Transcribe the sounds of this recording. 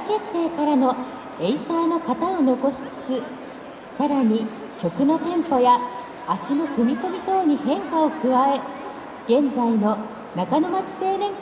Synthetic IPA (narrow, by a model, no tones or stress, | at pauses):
ke̞se̞ːkaɾano̞ | e̞isaːno̞kat̪ao̞no̞ko̞ɕi̥t͡sɨ̥t͡sɨ | saɾaɲ̟i | kʲo̞kɯ̟no̞t̪ẽ̞mpo̞jaː | ɕino̞kɯ̟mʲiko̞mʲit̪o̞ːɲ̟ihẽ̞ŋkao̞kɯ̟βae̞ | ɡ̥ẽ̞nd͡zaino̞ | nakano̞mat͡ɕi̥se̞ːnẽ̞ŋ